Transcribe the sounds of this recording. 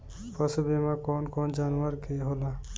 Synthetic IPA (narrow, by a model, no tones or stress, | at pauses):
pəsbemãkɔnkɔnd͡ʒaːnwəɾkeɦola